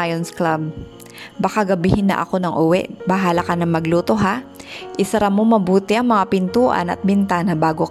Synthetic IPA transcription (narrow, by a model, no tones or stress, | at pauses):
ajonsklab̚ː | ɐkaɡɐbɪhɪnːɐ̰ʔɐ̰ko̞nɐŋʔʊwɛ̰ʔbɐɦaːlɐkɐnɐŋmɐɡluːt̪o̞ɦaʔɪsɐɾɐmomɐbuːt̪ɪʔɐŋmɐŋapɪnt̪uːʔɐ̰nɐ̰t̪̚bɪnt̪anɐbaːɡo